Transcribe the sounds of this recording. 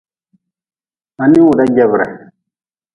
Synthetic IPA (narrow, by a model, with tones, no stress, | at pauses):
a˨ni˦wu˨ɗa˦ɡɛ˦bɾɛ̰˨